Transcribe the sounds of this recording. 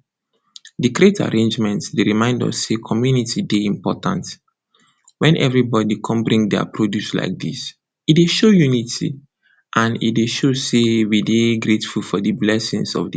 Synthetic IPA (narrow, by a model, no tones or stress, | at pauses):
diɡɾeta̰ɹẽnd͡ʒmɛ̃ntsdeɹimãɪ̃ndɔ̰sːekʰɔmjunitideĩmpɔtã̰nt | wɛ̃nʔɛ̰vɹibɔdikʰɔ̃mbɹĩŋdɛa̰pɹodjusla̰ɪk̚dis | it̚deʃojunitʰḭ | ʔãnḭdeʃosewideɡɹetfulfɔdɨblɛsḭ̃ŋsɔ̰vdi